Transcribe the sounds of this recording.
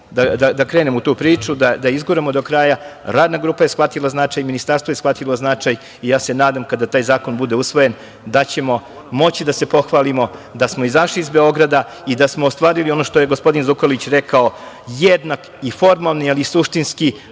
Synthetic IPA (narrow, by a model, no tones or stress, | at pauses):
d̪ad̪ad̪akɾeːnemout̪uːpɾiːt͡ʃud̪ad̪aizɡuɾemod̪o̞kɾaːjaɾaːd̪naɡɾuːpaje̞sxʋat̪ilˠaznat͡ʃajminist̪aɾst̪ʋo̞jesxfʋat̪ilˠo̞znat͡ʃaj | ijaːse̞naːd̪amkad̪at̪aːjzaːko̞nbud̪e̞usʋo̞jen | d̪at͡ɕe̞mo̞ | mo̞t͡ɕid̪ase̞po̞xʋaːlimo̞d̪asmo̞izaʃliizbe̞o̞ɡɾad̪a | id̪asmoːst̪ʋaːɾilio̞no̞ʃt̪oje̞ɡospo̞d̪inzukolit͡ɕɾekao̞ | jed̪nak | ifo̞ɾmalˠnialisuʃt̪inski